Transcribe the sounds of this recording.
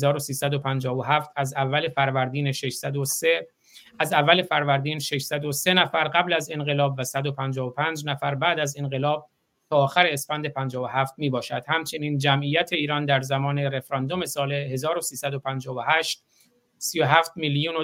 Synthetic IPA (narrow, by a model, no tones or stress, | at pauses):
zɒːɾosiːsæd̪opʰænd͡ʒɒːvoɦæːft̪ʰæzævːæle̞fæɾvæɾd̪iːneʃe̞ʃsæd̪ose | æzævːæle̞fæɾvæɾd̪iːnʃe̞ʃsæd̪ose̞næfæɾɢæblæze̞nɢe̞lɒːbvæsæd̪o̞pʰænd͡ʒɒːvopʰæːnd͡ʒnæfæɾbæːd̪æze̞nɢe̞lɒːb̚ | t̪ʰɒːxæɾeːsfænd̪e̞pʰænd͡ʒɒːvoɦæːft̪̚miːbɒːʃæd̪̥hæmt͡ʃʰe̞niːnd͡ʒæmʔijæt̪ʰe̞iːɾɒːnd̪æɾzæmɒːne̞ɾe̞fɾɒnd̪o̞me̞sɒːle̞he̞zɒːɾosiːsæd̪o̞pʰænd͡ʒɒːvohæːʃt̪ | sijoɦæːft̪miljuːno